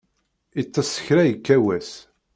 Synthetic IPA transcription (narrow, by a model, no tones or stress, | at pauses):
it͡sːɑsːə̥çɾæjəkːæwæs